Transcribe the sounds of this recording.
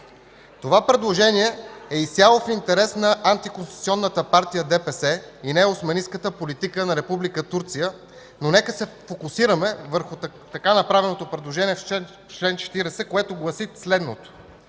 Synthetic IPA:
t̪ovapɾɛd̪lˠoʒɛniɛɛisʲjalˠofint̪ɛɾɛsnɐʔant̪ikonst̪it̪siɔnːət̪əpaɾt̪ijəd̪ɛpɛsɛinɛʊsmɐniskət̪əpolit̪ikənɐɾɛpublikət̪uɾt̪sijə | nonɛkəsɛfokʊsiɾəmɛvəɾxʊ | t̪ɐkanɐpɾavɛnot̪opɾɛd̪lˠoʒɛniɛf | t͡ʃlɛnt͡ʃɛ̥t̪iɾɛsɛkoɛt̪oɡlˠɐsit̪slɛd̪not̪o̥

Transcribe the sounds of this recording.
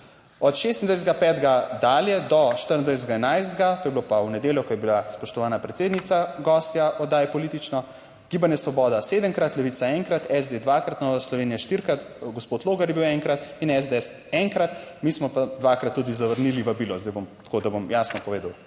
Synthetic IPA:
ɔt̪ʃest̪ind̪ʋajszɛd̪ɡapɛːt̪ɡad̪aːljɛd̪ɔʃt̪əɾənd̪ʋajs̬d̪ɡaɛnajzd̪ɡat̪oːjɛbilopawnɛd̪eːljɔkɔjɛbilaspɔʃt̪ɔʋaːnapɾɛt̪seːd̪nit̪saɡɔst̪jaɔd̪aːjɛpɔlit̪it͡ʃnɔ | ɡ̥ibanjɛsʋɔbɔːd̪aseːd̪əmkɾat̪lɛʋit̪saɛŋkɾat̪ɛzd̪ed̪ʋakɾat̪nɔːʋaslɔʋeːnijaʃt̪iɾkɾat̪ | ɡospot̪loːɡɐɾjɛbiwɛŋkɾat̪inɛzd̪eɛs | ɛŋkɾat̪mismɔpad̪ʋakɾat̪ːud̪izaʋəɾniliʋɐbiːlɔzd̪ajbomt̪kod̪abomjaːsnɔpɔʋeːd̪ɐw

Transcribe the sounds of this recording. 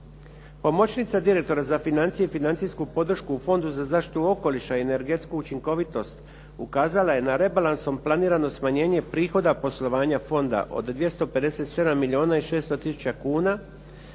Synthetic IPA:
po̞mo̞t͡ɕnit̪sad̪iɾe̞k̚t̪o̞ɾazafinant̪sijeifinant̪sijskupo̞d̪r̩ʃkuːfo̞nd̪uzazaːʃt̪i̥t̪uo̞ko̞liʃaiene̞ɾɡe̞t̪skuːt͡ʃiŋko̞ʋit̪o̞st̪ | ukaːzalajenaɾe̞balanso̞mplˠaniːɾano̞smaɲe̞ːɲe̞pɾiːxo̞d̪apo̞slˠo̞ʋaːɲafo̞nd̪a̰ʔo̞̰d̪d̪ʋje̞st̪o̞pe̞d̪e̞se̞t̪se̞d̪amːilʲio̞ːnaiʃeːst̪o̞t̪isu̥t͡ʃt͡ɕakuːna

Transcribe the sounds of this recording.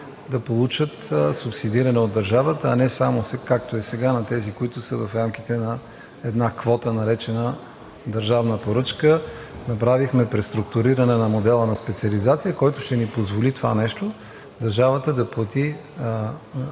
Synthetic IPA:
d̪ɐpolˠut͡ʃət̪sʊpsid̪iɾɐnɛod̪ːɐɾʒavət̪əːnɛsamosɛkak̚t̪oɛsɛɡanɐt̪ɛzikoit̪ʊsəvɐfɾamk̟it̪ɛnɐ | ɛd̪nakvɔt̪ənɐɾɛt͡ʃɛnə | d̪ɐɾʒavnəpoɾɤt͡ʃkə | nɐpɾavixmɛpɾɛst̪ɾʊk̚t̪ʊɾiɾɐnɛnɐmod̪ɛlˠənɐspɛt̪siɐlizat̪sijəkɔjt̪ʊʃt̪ɛnipozvolit̪ova̰nɛʃt̪o | d̪ɐɾʒavət̪əd̪ɐplˠɐt̪i

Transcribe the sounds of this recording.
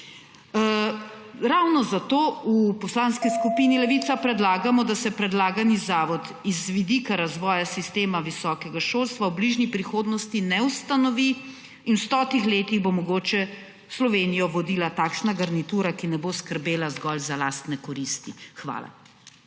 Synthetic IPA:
ɾawnɔzat̪oːupɔslaːnskiskupiːnilɛʋiːt̪sapɾɛd̪laːɡamɔd̪asɛpɾɛd̪laːɡanizaːʋɔt̪ | izʋid̪ikaɾazʋɔːjasist̪eːmaʋisɔːkɛɡaʃolst̪ʋawbliʒnipɾixoːd̪nɔst̪inɛwst̪anɔʋi | inwst̪ɔːt̪ixleːt̪iɣbomɔɡoːt͡ʃɛ | slɔʋeːnijɔʋɔd̪ilat̪aːkʃnaɡaɾnit̪uːɾakinɛboskəɾbeːlazɡɔlzalaːst̪nɛkɔɾist̪ixʋa̰ːla̰

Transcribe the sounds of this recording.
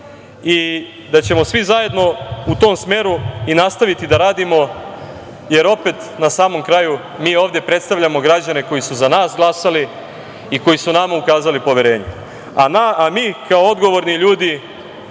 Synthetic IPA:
i | d̪at͡ɕe̞mo̞sʋizaje̞d̪no̞ut̪o̞msmeːɾuinast̪aʋit̪id̪aɾaːd̪imo̞ | je̞ɾo̞pet̪ | nasaːmo̞mkɾaju | miːo̞ːvd̪je̞pɾe̞t̪st̪aʋʎamo̞ɡɾad͡ʑane̞ko̞jisuzanaːsɡlˠasali | iko̞jisunamaukaːzalipo̞ʋje̞ɾe̞ːɲe | anaamiːkaoo̞d̪ɡo̞ʋo̞ɾniʎuːd̪i

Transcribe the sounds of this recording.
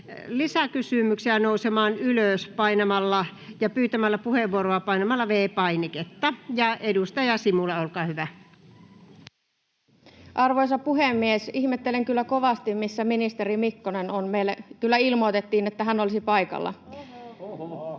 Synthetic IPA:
lisækysymyksiænoˑusemɑːnyløˑspɑinɑmɑlːɑjɑpyːt̪æmælːæpuheʋːuoroɑpɑinɑmɑlːɑʋeːpɑiniket̪ːɑjɑʔedust̪ɑjɑsimulːeolkɑːhyʋæ | ʔɑrʋojsɑpuɦemːiesihmet̪ːeleŋkylːæko̞ʋɑst̪immisːæminist̪eɾimikːonenonmeilːækylːæilmoit̪et̪ːiːnet̪ːæɦænolisipɑikɑ̰lːɑ̰

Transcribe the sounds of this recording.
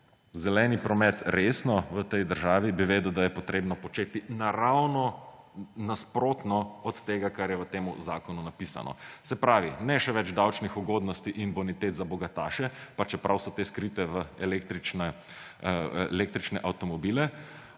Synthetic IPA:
zɛlɛːnipɾɔmɛt̪ɾesnɔʋət̪ɛjd̪əɾʒaːʋibiʋeːd̪əwd̪ajɛpɔt̪ɾeːbnɔpɔt͡ʃeːt̪inaɾawnɔ | naspɾoːt̪nɔɔt̪ːeːɡakaɾjɛʋət̪eːmṵzaːkɔnunapisa̰nɔ̰sɛpɾaːʋinɛʃɛʋɛd͡ʒd̪awt͡ʃnixuɡoːd̪nɔst̪iʔinbɔnit̪eːt̪zabɔɡat̪aːʃɛpat͡ʃɛpɾawsɔt̪eːskɾit̪ɛʋəelekt̪ɾit͡ʃnɛ | lek̚t̪ɾit͡ʃnɛʔawt̪ɔmɔbiːlɛ

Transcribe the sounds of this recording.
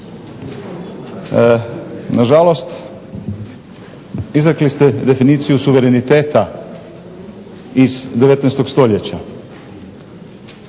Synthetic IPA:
naʒalo̞st̪ | izɾaklist̪ed̪e̞finiːt̪sijusuʋe̞ɾe̞nit̪e̞ːt̪a | izd̪e̞ʋet̪nest̪o̞ɡst̪o̞ʎet͡ɕa

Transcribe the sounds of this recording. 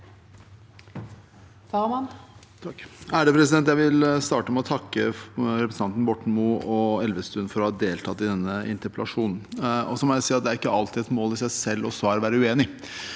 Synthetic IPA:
fɑʁmɑn | t̪ʰɑkːæːɾəpʰɾɛs̬ɪd̪ɛnt̪jæɪʋɪlst̪ɑːʈəmɛɔt̪ʰɑkːəɾɛpɾs̩ɑnt̪n̩bɔʈɳ̩muʔɔɛlʋəst̪ʉːnfɔɾɔhɑd̪eːlt̪ʰɑt̪ːɪd̪ɛnːəʔɪ̰nt̪əpɛlɑʂuːnn̩ɔsɔmɔjæɪsiːɑt̪̚d̪ɛæɾɪkːəɑlt̪ɪɛt̪moːlɪsæɪsɛlːɔsʋɑːɾəʋæːɾəʉeːnɪ

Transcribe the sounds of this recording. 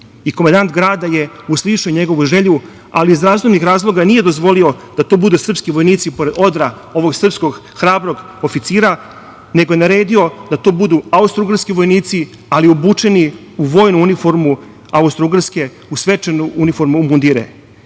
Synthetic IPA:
ikomand̪ant̪ɡɾaːd̪aje̞ | uslˠiʃoɲe̞ɡo̞ʋuʒeʎu | aliːzɾaːzumnixɾaːzlˠo̞ɡanije̞d̪o̞zʋo̞lio̞d̪̥at̪o̞ːbud̪usr̩pskiʋo̞jniːt̪sipo̞ɾe̞d̪o̞d̪ɾa | o̞ʋo̞ɡsr̩psko̞ɡ | xɾaːbɾo̞ɡ | ofit̪siːɾa | ne̞ɡo̞je̞naɾe̞ːd̪io̞d̪at̪o̞ːbud̪uaust̪ɾuɡarɾskiʋo̞jniːt̪si | aliubuːt͡ʂe̞ni | uʋo̞ːjnuunifo̞ɾmu | aust̪ɾuɡrɾske̞ | usʋet͡ʂenuunifo̞ɾmumund̪iɾḛ

